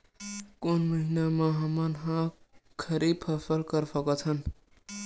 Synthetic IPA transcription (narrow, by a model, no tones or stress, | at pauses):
konmʌɦinamaɦʌmʌnɦãkʰʌɾib̚pʰʌpʰʌlkʌɾsʌkot͡sʰʌn